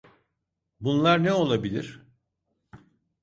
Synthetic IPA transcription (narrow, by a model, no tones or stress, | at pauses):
bunlˠaɾnɛo̞lˠabilʲiɾ̥